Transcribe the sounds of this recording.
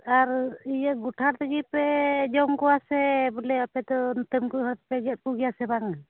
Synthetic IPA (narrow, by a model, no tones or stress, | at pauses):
aɾijəʔ̪ɡuʈʰaɾt̪əɡipɛd͡ʒɔmkɔwasɛbəlɛapɛd̪ɔnt̪əmkuɦaɾt̪pɛɡɛt̪̚kuɡijasɛbaŋa